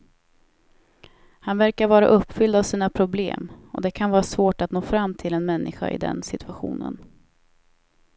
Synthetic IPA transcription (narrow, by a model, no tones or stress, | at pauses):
hanvæɾkaɾvɑːɾa̰ʔɵpːfʏld̪avsiːnapʰɾʊblḛːmɔ̰d̪ɛkʰanvɑːɾasvoːʈat̪noːfɾamːt̪ʰɪlɛnmɛnːɪɧa̰ʔɪ̰d̪ɛ̰nsɪt̪ʰɵ̥aɧṵːnə̰n